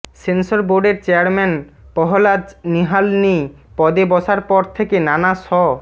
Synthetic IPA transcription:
sensoɾboɾɖeɾt͡ɕeaɾmɛnpɔɦolad͡ʑniɦalni | pɔd̪ebɔʃaɾpɔɾt̪ʰekenanasɔ

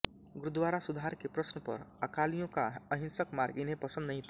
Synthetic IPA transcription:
ɡɾʊd̪ʋaɾasud̪ʱaɾkepɾəsnəpə̰ɾəkalijõkaəɦĩnsəkmaɾɡɪnɦẽpəsə̃nd̪nəɦĩt̪ʰa

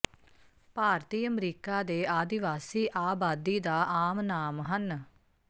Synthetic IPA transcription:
paːɾt̪iːəmɾiːkaːd̪eːaːd̪ɪʋaːsiːʔaːbaːd̪iːd̪aːʔaːmnaːmɦən

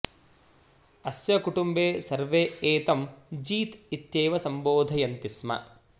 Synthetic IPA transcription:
ɐsjɐkuʈumbeːsɐɾʋeːeːt̪ɐmd͡ʒiːt̪it̪jeːʋɐsɐmboːd̪ʱɐjɐnt̪ismɐ̰

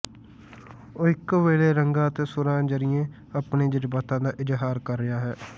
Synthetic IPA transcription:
oːɪkʋeːleːɾəŋɡãːt̪eːsʊɾãːd͡ʒəɾɪjẽː | əpneːd͡ʒəd͡ʒbaːt̪ãːd̪aːʔɪd͡ʒɦaːɾkəɾːɪjaːɦɛː

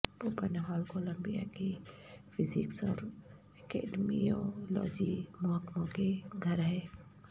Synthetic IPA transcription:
poːpənɦaːlkoːlə̃mbija̰kipʰɪzɪksɔːɾ | ekḛːɖmiolɔ̰ːd͡ʒimʊɦəkmõkeɡʱɐɾɦɛː

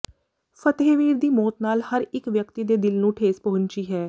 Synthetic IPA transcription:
pʰət̪eːʋiːɾd̪iːmɔːt̪naːlhəɾɪkʋjəkt̪iːd̪eːd̪ɪlnũːʈʰeːspəɦʊnt͡ʃiːɦɛː

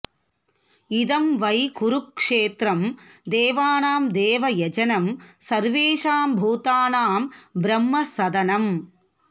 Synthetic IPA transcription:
iðɐmʋɐjkʊɾʊkʂeːt̪ɾɐmd̪eːʋaːnaːmd̪eːʋɐjɐd͡ʒɐnɐmsɐɾʋeːʂaːmbʱuːt̪aːnaːmbɾɐmːɐsɐðɐnɐm

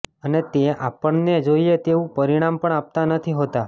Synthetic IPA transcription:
ənet̪eapəɳned͡ʒoiet̪eũpəɾiɽ̃ampəɳap̚t̪anət̪ʰiɦot̪a

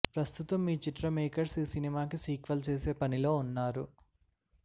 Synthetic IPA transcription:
pɾɐst̪ut̪ɐmːiːt͡ʃiʈɾɐmeːkɐɾsisinimaːkisiːkʋɐlt͡ʃe̞ːse̞ːpɐnilo̞ːunːaːɾu

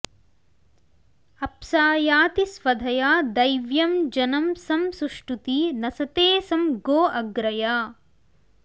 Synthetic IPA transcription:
ɐpsaːjaːt̪isʋɐd̪ʱɐjaːd̪ɐjʋjɐmd͡ʒɐnɐmsɐmsuʂʈut̪inɐsɐt̪eːsɐmɡoːʔɐɡɾɐjaː

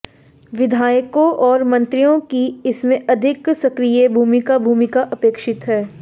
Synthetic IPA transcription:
ʋɪd̪ʱaːjəkõʔɔːɾmɐ̃nt̪ɾijõkiɪsmẽʔɐd̪ʱɪksɐkɾijebʱuːmikabʱuːmikaʔɐpeːkʃɪt̪ɦɛː

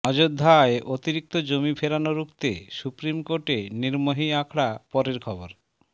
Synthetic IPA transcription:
ɔd͡ʑod̪ʱːaeʔot̪iɾik̚t̪od͡ʑomifʰeɾanoɾukt̪esupɾimkoʈeniɾmoɦiakʰɽapɔɾeɾkʰɔboɾ

